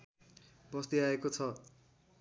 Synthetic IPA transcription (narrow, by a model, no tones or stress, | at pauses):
bʌst̪iaekot͡sʰʌ